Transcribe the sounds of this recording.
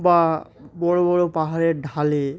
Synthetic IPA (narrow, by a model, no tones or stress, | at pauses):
babɔɹobɔɹopaɦaɹɛdʱale